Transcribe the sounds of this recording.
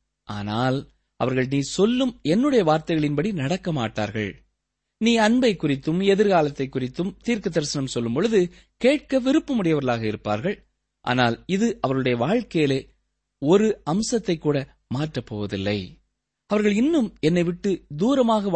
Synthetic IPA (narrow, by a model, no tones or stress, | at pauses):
ʔa̰ːnaːl | ɐ̰ʋɐɾɣɐɭniːsɔlːɯmɛnːɯɽɐjɐʋaːɾt̪ɐɪɣɐɭɪnpɐɽinɐɽɐkːɐmaːʈːa̰ːɾɣɐ̰ɭ | niːɐɳbɐɪkːʊrɪt̪ːɯmɛðɪɾɣaːlɐt̪ːɐɪkːʊrɪt̪ːɯmt̪iːɾkɯd̪ɐɾsɐnɐmsɔlːɯmpɔɻɯðɯ | keːʈ̚kɐʋɪɾɯpːɯmʊɽɪjɐʋɐɾɣɐɭaːɣɐɪɾɯpːa̰ːɾɣɐɭ | ʔa̰ːnaːlɪðɯʔɐʋɐɾɣɯɽɐjɐʋaːɻkɐjɪleː | ɔɾɯɐmsɐt̪ːɐɪkːuːɽɐ | maːʈrɐpːo̰ːʋɐðɪ̰lːɐ̰ɪ | ɐʋɐɾɣɐɭɪnːɯmɛnːɐɪʋɪʈːɯd̪uːɾɐmaːɣɐ